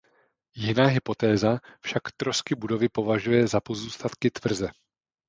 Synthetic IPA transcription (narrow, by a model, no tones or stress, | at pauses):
jɪnaːɦɪpo̞t̪ɛːzafʃakt̪ɾo̞skɪbudo̞vɪpo̞vaʒujɛzapo̞zuːst̪at̪kɪt̪vr̩zɛ